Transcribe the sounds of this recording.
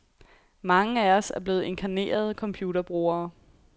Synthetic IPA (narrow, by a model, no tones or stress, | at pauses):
mɑ̈ŋəæɒsæɐb̥le̝ːð̩ˠe̝nkʰæne̝̰ːɐð̞ˠkʰɒ̽mpʰjuːɾɐb̥ʁoːɐː